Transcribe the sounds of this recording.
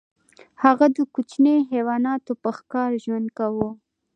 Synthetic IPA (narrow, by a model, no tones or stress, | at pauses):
haɣad̪əkut͡ʃneɦewɑnɑt̪opəxkɑɾʒwand̪̚kawu